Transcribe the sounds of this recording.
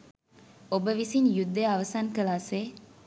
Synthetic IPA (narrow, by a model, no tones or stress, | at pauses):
obəʋisinjud̪ːeɐʋɐsaːŋkɐlaːseː